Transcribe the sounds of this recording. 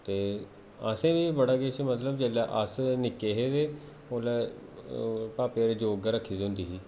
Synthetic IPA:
t̪eː | aːsẽːbiːbəɽaːɡeːt͡ʃmət̪ləbd͡ʒeːlaʔasnɪkːeːɦeːd̪eː | oːle | paːpeɾeːd͡ʒoːɡɾəkʰːiːd̪ɦʊ̃nd̪iːɦiː

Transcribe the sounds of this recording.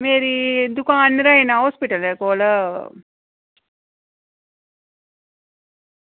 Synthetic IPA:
meːɾid̪ukãɐnːiɾaːjenãɦoːspiʈɐlekoːlɐ

